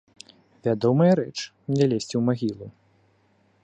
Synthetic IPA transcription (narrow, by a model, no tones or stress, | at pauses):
vʲad̪ɔmɐjɐɾɛt͡ʂmnʲɛlʲesʲt͡sʲiwmaɣʲilˠu